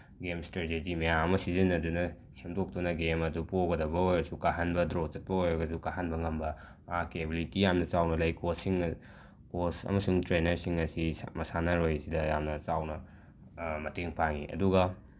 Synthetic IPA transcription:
ɡemstɾeted͡ʒimɐjaŋɐmɐsizɐnɐdunɐ | semdok̚dunɐɡemɐdupoɡɐdɐbɐojɡɐsukaɦɐnbɐdɾot͡ʃɐt̚pɐojɾɐɡɐsukaɦanbɐŋɐmbɐ | akebilitijamnɐt͡ʃawnɐlɐjkosiŋ | kosɐ̰mɐsuŋtɾenɐɾsiŋɐsimɐsanɐɾojɐsidɐjamnɐt͡ʃawnɐ | mɐteŋpʰaŋḭɐ̰duɡɐ

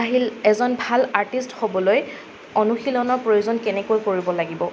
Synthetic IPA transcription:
aɦilɛzɔnbʱalaɹtistxobɔloj | onuxilɔnɔɹpɹojuzɔnkɛnɛkojkoɹibɔlaɡibɔ

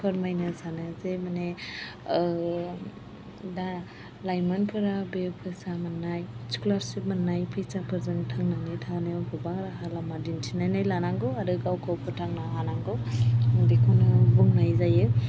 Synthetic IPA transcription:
pʰɯɾmajnɯsanɯzemane | da | lajmanpʰɯɾabepʰɯsamanːajsi̥kulaɾsip̚manːajpʰɯjsapʰɯɾzɯŋtʰaŋnanitʰaneabɯbaŋɾaɦalamadintʰinajnajlanaŋɡɯaɾɯɡawkʰawpʰɯtʰaŋnaɦanaŋɡɯwbikʰonɯbuŋnajzajɯ

